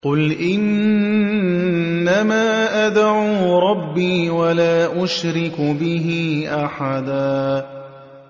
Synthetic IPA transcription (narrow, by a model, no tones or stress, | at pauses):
qʊlʔɪn | amaːʔad̪aʕuːɾˤɑbːiːwalaːʔʊʃɾɪkbɪɦiːʔaħad̪aː